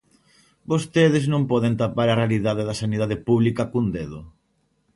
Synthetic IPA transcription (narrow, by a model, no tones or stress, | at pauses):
bost̪eðɪznõmpɔðent̪apaɾɐrealiðaðeðɐsaniðaðepuβlikakund̪eðʊ